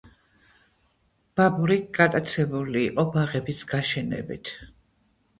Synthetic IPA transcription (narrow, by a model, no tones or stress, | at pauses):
b̥abuɾiɡ̥at̪ʼat̪sʰɛbuliːqʼɔbaʁɛbisɡ̥aʃɛnɛ̰bḭt̪ʰ